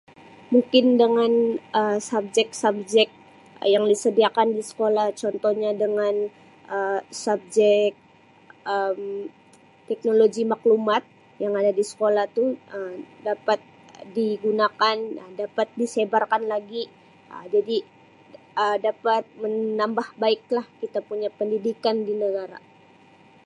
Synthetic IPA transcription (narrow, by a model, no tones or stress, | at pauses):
muŋkɪndəŋanəmsab̚d͡ʒɛk̚sab̚d͡ʒɛk̚ | jaŋdisədiakandisə̥kolaht͡ʃɔnt̪ɔhɲadəŋan | əsab̚d͡ʒɛk̚ | əm | t̪ɛk̚noloɡimaklumat̪̚ | jaŋadadisə̥kolaht̪uəmdapat̪̚ | diɡunakanədapat̪̚disebarkanlaɡi | ə̰d͡ʒadi | ədapat̪̚mənːambahbaɪk̚lahkit̪apuɲapəndidikandinəɡaɾa̰